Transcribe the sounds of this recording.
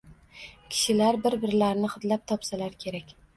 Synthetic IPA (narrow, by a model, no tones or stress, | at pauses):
kʲʰɪ̥ʃɪlaɾbɪɾbɪɾlaɾnɪχʊt̪lap̚t̪ʰɒpsalaɾkʲʰe̞ɾakʲ